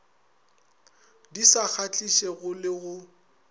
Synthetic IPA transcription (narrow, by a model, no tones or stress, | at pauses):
disak͡xʰat͡ɬʼiʃeɣʊlɪɣʊ